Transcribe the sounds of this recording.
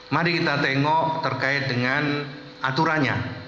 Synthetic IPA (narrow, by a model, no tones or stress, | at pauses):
maɾikit̪at̪ɛŋɔʔt̪ərkaɪt̪̚dəŋan | ʔat̪uɾaɲa̰